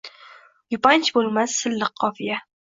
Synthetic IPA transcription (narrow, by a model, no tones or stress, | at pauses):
jʊpant͡ʃbolˠmasːɪlːɨqʰːɒfija